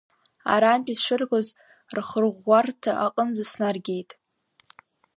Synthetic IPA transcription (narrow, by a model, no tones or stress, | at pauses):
a̰ɾaːnpʲʼisʂɨrɡoz | rχərʁʷːartʰaʔaqʼənd͡zasnarɡʲe̞jtʼ